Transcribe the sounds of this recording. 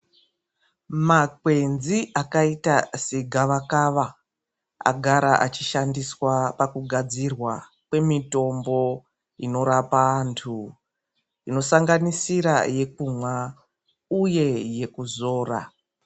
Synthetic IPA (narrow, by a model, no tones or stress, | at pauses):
makwe̞nziʔakaitaseɡʱaʋakaʋa | a̰ɡʱaɾaʔat͡ʃiʃandiswapakuɡʱad͡zirwa | kwe̞mito̞mbo̞ | ino̞ɾapaːntʰu | ino̞saŋɡanisiɾaje̞k̚umwa | uje̞je̞kuzo̞ːra̰